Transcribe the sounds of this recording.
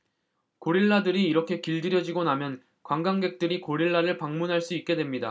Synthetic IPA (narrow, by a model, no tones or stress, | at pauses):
koɾiɭːadɯɾiːɾʌkʰe̞kiɭdɯɾjʌd͡ʑiɡonamjʌn | kwaŋɡaŋɡe̞k̚t͈ɯɾikoɾiɭːaɾɯɭpaŋmunɦaɭs͈uit̚k͈e̞dwe̞mɲida̰